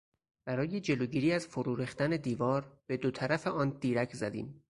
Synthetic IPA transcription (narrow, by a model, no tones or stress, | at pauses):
b̥æɾɒːjed͡ʒe̞loɟiːɾiːæzfoɾuːɾixt̪æne̞d̪iːvɒːɾb̥e̞d̪ot̪ʰæɾæfeʔɒːnd̪̥iːɾæcʰzæd̪ḭːm